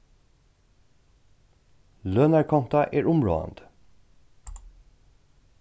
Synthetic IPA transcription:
løːnæɹkʰɔnt̪ɑʔeːɹʊmɹo̰ːɑ̰nd̪

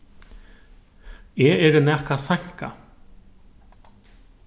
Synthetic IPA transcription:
ɛːɛɾɪnɛhkasaŋ̥ka̰

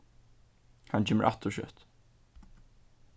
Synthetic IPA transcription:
hant͡ʃʰɛːmə̰ʔa̰t̪ʊʃœ̰t̪

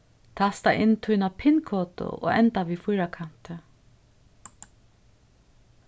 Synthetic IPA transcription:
t̪ʰast̪aʔɪnt̪ʰunapʰɪnkʰɔːt̪ʊ̰ʔo̰ːɣɛ̰nt̪aʋifʊjɾakʰan̥t̪ɪ

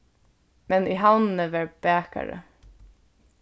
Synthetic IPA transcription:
mɛnʔiːɦawnənəʋɛɹbæːka̰ɹə̰

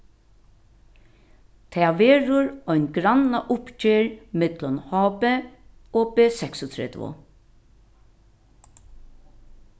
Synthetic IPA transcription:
t̪ʰɛːʋeːɾʊɹɔʏnɡɾanaʔʊpt͡ʃeːɹmɪt̪lɔnhɔːpɛoːbeːsɛksʊt̪ʰɾɛ̰t̪ʋʊ̰

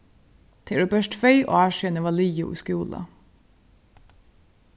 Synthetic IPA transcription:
t̪ʰeːɖʉbœʃʈfœʏʔo̰ːæːʃɛnəʋɑliːjʊ̰ʔṵskuːlɑ̰

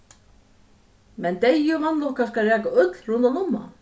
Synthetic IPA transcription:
mɛnt̪ejʏvanlɔhkaskarɛːkaœt̪l̥runt̪awnumːa̰

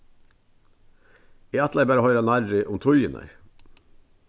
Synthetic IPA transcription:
iːæt̪læbæːɾəhœʏɾɑnɑɾɾɪʔʊmt̪ʰʊʏənʔə̰ɪ

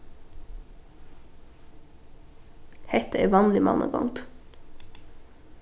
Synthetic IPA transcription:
hɛt̪əeʋɑːnlɪmɑ̰nʔə̰kʰɔ̰ŋt̪

